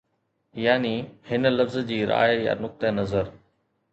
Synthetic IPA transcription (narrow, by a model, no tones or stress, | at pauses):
jaːnihɪnə̆lɐfzd͡ʑiːɾa̰ːjja̰nʊk̚t̪ənɐzəɾ